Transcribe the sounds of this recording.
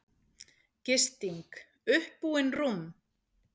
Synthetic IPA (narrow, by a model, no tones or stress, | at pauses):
cɪst̪iŋk | ʏhpːuːɪnrum